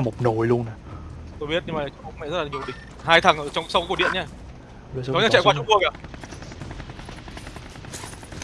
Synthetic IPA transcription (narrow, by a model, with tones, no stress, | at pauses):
mo˨˩k͡p̚no˨˦jlu˧əna˨˩t̪o˧jɓi˦˥ət̚ɲɨ˧mː˨˩˨t͡ɕɔ˧ŋ͡mmʊ˨˩mɛ̰˧˨zə˦˥laː˨ɲi˨˩ə˩ɗï˨˩ŋ̟̚ | ɦaː˧jt̪ʰə˨˩ŋʔəː˧˨˩t͡ɕɔ˧wksa˧wkkɗi˧˨ənɲaː˧˩˨ | ɔ˨˦ɲaː˨˥t͡ɕɛ̰˧˨kwa˧t͡ɕʊ˧˥ŋ͡mvu˧ək̚ʔaː˨˩